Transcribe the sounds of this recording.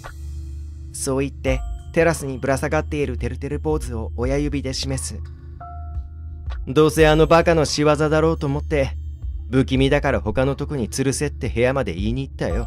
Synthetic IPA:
so̞ːit̪ːe̞t̪e̞ɾasɨɲ̟ibɯ̟ɾasaɡat̪ːe̞iɾɯ̟t̪e̞ɾɯ̟t̪e̞ɾɯ̟po̞ːzɨo̞ːjajɯ̟bʲid̪e̞ɕime̞sɨ | d̪o̞ːse̞ano̞bakano̞ɕiβazad̪aɾo̞ːt̪o̞ːmo̞t̪ːe̞bɯ̟kʲimʲid̪akaɾaho̞kano̞t̪o̞kɯ̟ɲ̟it͡sɨɾɯ̟se̞t̪ːe̞he̞jamad̪e̞̰iːɲ̟iːt̪ːajo̞

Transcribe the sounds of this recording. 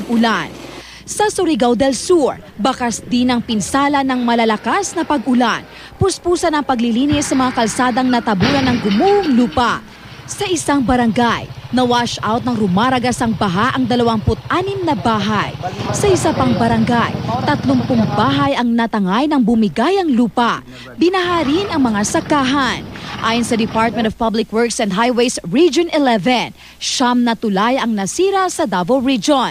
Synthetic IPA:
ɡʔʊlan | sɐsʊɾiɡawd̪ɛlsuɹ | bɐkasd̪inɐŋpɪnsaːlɐnɐŋmɐlɐlɐkasnɐpɐɡʊlan | pʊspuːsɐnɐŋpɐɡlɪliːnɪsːɐmɐŋakɐlsaːd̪ɐŋnɐt̪ɐbuːlɐnɐŋɡʊmuʔʊŋluːpɐ | sɐʔɪsaŋbɐɾɐŋɡajnɐwaʃʔawt̪̚nɐŋɾʊmaːɾɐɡasɐŋbɐɦaʔɐŋd̪ɐlɐwaŋpʊt̪̚ʔaːnɪmnɐbaːɦajsɐʔɪsapɐŋbɐɾɐŋɡajt̪ɐt̪lʊŋpʊŋbaːɦɐjɐŋnɐt̪ɐŋajnɐŋbʊmɪɡajɐŋluːpɐ | bɪnɐɦaɾinɐŋmɐŋasɐkːaːɦanʔaːjʊnsɐd̪ɪpaɹt̪̚mɛ̃nt̪ɔv̥pablɪkwɛɹksɛ̃nd̪ɦajwejsɹid͡ʒonɛlɛvɛn | ʃamnɐt̪ʊlajɐŋnɐsiːɾɐsɐd̪avolɹid͡ʒon

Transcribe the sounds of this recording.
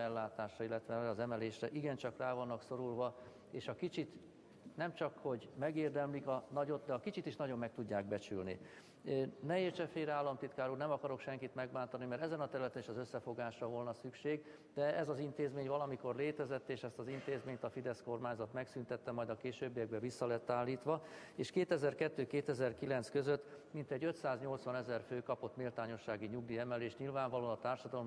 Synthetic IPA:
ɛlːaːt̪aːʃrɒilːɛt̪ʋɛɛɾɛːzɛmɛleːʃrɛʔiɡɛnt͡ʃɒkraːvɒnːɒkso̞ɾulvɒ | eːʃɒkit͡ʃit̪ | nɛmt͡ʃɒkho̞ɟmɛɡeːrd̪ɛmlikɒnɒɟo̞t̪d̪ɛɒkit͡ʃit̪iʃnɒɟo̞mːɛk̚t̪uɟːaːɡ̚bɛt͡ʃylnḭ | nɛeːrt͡ʃɛfeːɾaːlːɒmt̪it̪kaːɾuːrnɛmɒkɒɾo̞kʃɛŋkit̪mɛɡbaːnt̪ɒnimɛɾt̪ɛzɛnɒt̪ɛɾylɛt̪ɛniʃɒzø̞sːɛfo̞ɡaːʃrɒvo̞lnɒsykʃeːɡ | d̪ɛɛzɒzint̪eːzmeːɲvɒlɒmiko̞rleːt̪ɛzɛt̪ːeːʃɛst̪ɒzint̪eːzmeːɲt̪ɒfid̪ɛsko̞rmaːɲzɒt̪mɛksynt̪ɛt̪ːɛmɒjd̪ɒkeːʃøːbːijɛɡ̚bɛvisːɒlɛt̪ːaːlːiːt̪ʋɒ | eːʃkeːt̪ɛzɛrkɛt̪ːøːkeːt̪ɛzɛrkilɛn̪t̪skø̞zøt̪ːmint̪ɛɟːøt̪saːzɲo̞lt̪sʋɒnɛzɛrføːkɒpo̞t̪melt̪aːɲo̞ʃːaːɡiɲuɡ̚d̪iɛmɛleːʃtɲilvaːɱvɒlonɒt̪aːrʃɒd̪ɒlom

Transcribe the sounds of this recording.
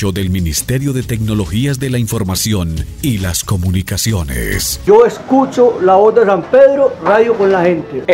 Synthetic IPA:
oðe̞lminist̪eɾjo̞ðe̞t̪e̞kno̞lo̞xiazðe̞laiɱfo̞ɾmasjo̞n | ilasko̞munikasjo̞nḛsd͡ʒoeskut͡ʃolaod̪esampeðɾoraðjokonlahẽnt̪e

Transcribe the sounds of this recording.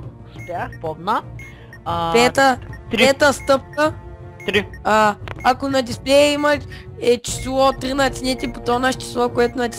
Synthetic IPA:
spɛpɔd̪na | pɛt̪ət̪ɾɛt̪əst̪əp̚kə | t̪ɾiaakonɐt̪ʲisplʲɛimɐt̪ʲɛt͡ʃi̥slˠɔt̪ɾinat̪sʲnʲɛt̪ʲipot̪ɔnaʃt͡ʃi̥slˠɔkoɛt̪ʊnɐt̪ʲi̥

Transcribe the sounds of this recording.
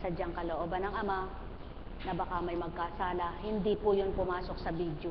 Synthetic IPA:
sɐd͡ʒaŋkɐloʔoːbɐnɐŋɐma | nɐbɐkamɐjmɐɡ̚kasaːlɐhɪnd̪ipʊjonpʊmaːsok̚sɐbiːd̪jo

